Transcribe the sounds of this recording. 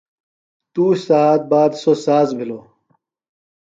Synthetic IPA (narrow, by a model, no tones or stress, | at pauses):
t̪uːssaːt̪̚baːd̪sosaːzbʱiloː